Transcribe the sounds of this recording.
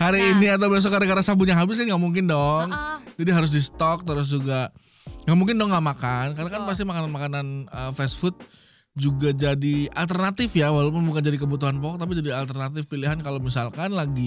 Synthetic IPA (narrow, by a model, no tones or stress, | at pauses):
haɾiːniat̪̬awbias̬ɔkaɾakaɾasabuɲaɦabɪs̬kanɡaʔmuŋk̬ɪndɔŋd͡ʒadiɦaɾʊs̬disə̥t̪ɔk̚t̪əɾʊs̬d͡ʒuɡa | ŋɡaʔmuŋkɪndɔŋːɡaʔmakankaɾnakanpas̬t̪imakananmakananəfɛsfʊt̪̚ | d͡ʒuɡad͡ʒadia̰lt̪ərnat̪ɪfjawalop̬ʊnbukand͡ʒadikəbut̪̬uɦanpɔkk̚t̪ap̬id͡ʒadialt̪ərnat̪ɪfpiliɦankalomisalkanlaɡi